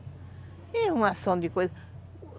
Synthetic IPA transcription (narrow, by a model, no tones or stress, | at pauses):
ɛũmasɐ̃d̪ikojzɐ